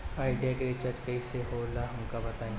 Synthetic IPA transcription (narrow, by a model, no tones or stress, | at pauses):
aːɪɖijakeɾet͡ʃaɾd͡ʒkɐiseɦolaɦɐmkabɐt̪aːẽ